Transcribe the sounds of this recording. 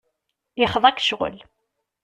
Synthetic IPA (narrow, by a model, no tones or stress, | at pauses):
jəχðˤækʃʁə̰l